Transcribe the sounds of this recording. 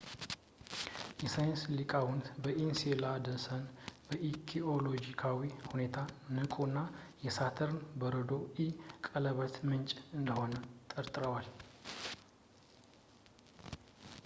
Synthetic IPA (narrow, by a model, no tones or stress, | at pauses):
jɛsajənslikʼawʊnt̪bəʔinselad̪ənsənbəʔikʰiolo̞d͡ʒikʰawihune̞t̪ʰanɨkʼunːajɛsat̪ʰəɾnbəɾəd̪o̞ikʼələβət̪mɨnt͡ʃʼɨnd̪əho̞nət̪ʼəɾt̪ʼɨɾəwal